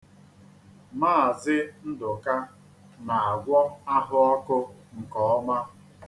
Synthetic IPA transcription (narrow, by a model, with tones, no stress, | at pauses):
maː˦˨zɪ˦n̩˦dʊ˨ka˦ | na˨a˨ɡʷɔ˦a˦ɦʊ˦ɔ˦kʊ˦ŋ̩˨kɔ˨ɔ˦ma˦